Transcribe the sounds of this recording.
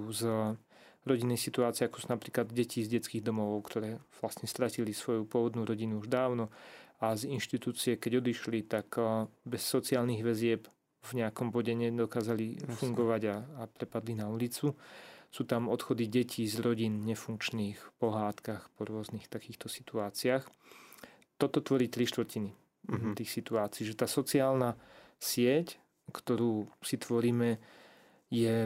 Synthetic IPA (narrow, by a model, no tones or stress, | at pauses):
z | ɾɔɟinɛjsit̪uaːt͡siɛakɔ̥sunapɾiːklad̪ɟɛciːzɟɛt͡skiːɣd̪ɔmɔʋɔʊkt̪ʰɔɾɛːʋlasɲɛst̪ɾacilisʋɔjupʊɔʋɔd̪nuɾɔɟinuuʒd̪aːʊnɔazinʃt̪it̪uːt͡siɛkɛɟɔd̪iʃlit̪akbɛsːɔt͡siaːlniɣʋɛzɪɛp | vɲɛakɔmbɔɟɛɲɛd̪ɔkaːzalifuŋɡɔʋaɟaːpɾɛpad̪linaulit͡susuːt̪amɔt̪xɔd̪iɟɛcʰiːzɾɔɟinɲɛfuŋkt͡ʃniːxpɔɦaːt̪kaxpɔɾʊɔznixt̪akiːxt̪ɔsi̥t̪uaːt͡siax | t̪ɔt̪ɔt̪ʋɔɾiːt̪ɾiʃt̪ʋɾcini | t̪iːxsit̪uaːt͡siːʒɛt̪aːsɔt͡siaːlnasɪɛc | kt̪ɔɾuːsit̪ʋɔɾiːmɛ | jɛ